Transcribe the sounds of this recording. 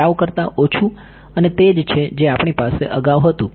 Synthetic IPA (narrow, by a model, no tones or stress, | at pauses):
aʋkəɾt̪aʔot͡ʃʰũ | ənet̪ed͡ʒt͡ʃʰed͡ʒeapɳ̃ipaseʔəɡaʋɦət̪ũ